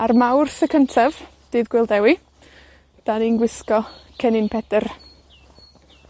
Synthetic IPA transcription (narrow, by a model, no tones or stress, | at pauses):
armawrθəkʰəntʰav̥ | d̥ɨːðɡ̥wɪlˠdɛwi | d̥aninɡwɪskɔkʰɛnɪnpʰɛd̥ər